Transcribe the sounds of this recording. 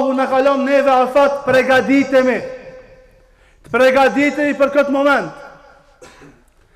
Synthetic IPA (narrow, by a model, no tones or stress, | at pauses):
ɦunakalɔmnɛvɛalsat̪pɾɛɡad̪it̪ɛmi | t̪pɾɛɡad̪it̪ɛmipəɾkət̪mɔmɛ̃nt̪